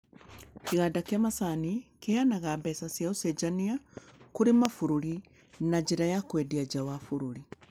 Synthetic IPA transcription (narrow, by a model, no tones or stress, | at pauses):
kiɣadakiamasanikeanaɣabɛsasjaosed͡ʒaniakuɾemafuɾuɾi | nad͡ʑeɾajakwediad͡ʒawafuɾuɾi